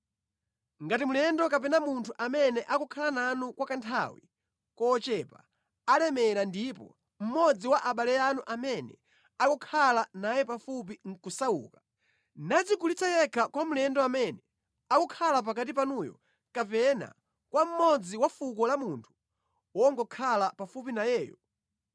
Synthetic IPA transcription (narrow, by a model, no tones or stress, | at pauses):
ŋɡatimulɛndɔkapɛnamuntʰuʔamɛnɛʔakukʰalananukwakantʰa̰wḭ | kɔːt͡ʃɛpa̰ | alɛmɛɾandipɔ̰ | m̩mɔd͡ziwaʔaɓalɛjanuʔamɛnɛ̰ | akɔkʰalanajɛpafup̬iŋ̩kusaṵːka | nad͡zikulit͡sʰajɛkʰakwamulɛndɔamɛnɛ | akɔkʰalap̬ak̬at̬ip̬anujɔ̰ | kapɛna̰ | kwam̩mɔd͡ziwafuk̬ɔlamuntʰu̥ | wɔŋɡɔkʰalapafupinajɛːjɔ̰